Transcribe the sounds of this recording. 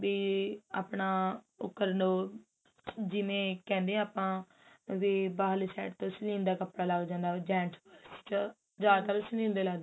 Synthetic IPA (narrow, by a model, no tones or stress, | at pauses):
biːa̰ːpɳaː | ʊ̰kːəɾnoː | d͡ʒɪmẽːkɛ̃ːnd̪ẽːaːpãː | ʋeːbaːlsɛ̰ːʈt̪õːslĩːnd̪aːkəpɽaːlaɡd͡ʒãːnd̪aːd͡ʒɛ̃ːɳʈbəɾsi̥t͡ʃ | d͡ʒaːk̪əlsəlĩːnd̪eːlaɡd̪